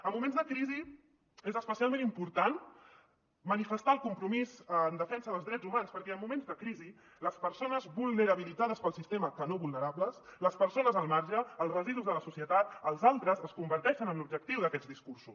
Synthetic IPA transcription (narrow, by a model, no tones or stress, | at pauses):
əmːumẽnzðəkɾizi | ezəspəsialˠmẽnimpuɾt̪an | mənifəst̪aəlˠkumpɾumizːnd̪əfɛnsəðəlˠzðɾɛd͡zzumanspəɾkɛəmːumẽnzðəkɾizi | ləspəɾsonəzβulˠnəɾəβilidd͡zaðəspəlˠsist̪eməkənoβulnəɾabləsləspəɾsonəzəlˠmaɾʒəːlˠrəziðuzðələsusiət̪at̪əlˠzalˠt̪ɾəzəskumbəɾt̪ɛʃənəmlub̚d͡ʒək̚t̪iwðəkɛd̪d͡zd̪iskursus